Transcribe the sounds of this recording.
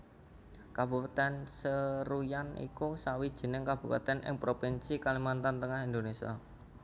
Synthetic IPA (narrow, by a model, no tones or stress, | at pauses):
kab̥upat̪ɛnsəɾujanḭkusawid̥ʒ̥ə̤nɪŋkab̥ṳpa̰t̪ɛnʔɪ̰ŋpɾopinsikalimant̪ant̪əŋahind̪onesia̰